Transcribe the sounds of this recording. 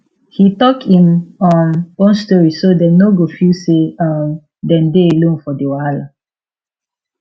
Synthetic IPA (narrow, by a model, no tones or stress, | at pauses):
hitɔkhĩmɔ̃nõnstɔɹisodɛnoɡofuseam | dɛ̃ndeelõnfɔdewala